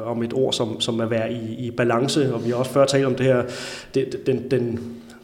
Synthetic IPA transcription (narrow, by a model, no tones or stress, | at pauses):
ɒ̽me̝d̥o̝ɐ̰sɒ̽msɒ̽mæʋæɐiːb̥ælɑ̈ŋsəɒ̽ʋihɑ̈ɒ̽sfɶɐ̰t͡sʰɛ̰ːld̥ɒ̽md̥e̝hɛɐ̰d̥ed̥end̥en